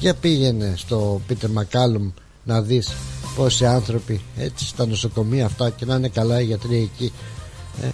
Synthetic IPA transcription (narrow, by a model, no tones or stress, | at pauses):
pʝɐpiʝe̞ne̞st̪o̞pit̪eɾmɐkɐlom | nɐðispo̞siɐnθɾo̞pie̞t͡si̥st̪ɐno̞so̞ko̞miɐːft̪ɐce̞nɐine̞kɐlɐeʝɐt̪ɾiɐici | ḛ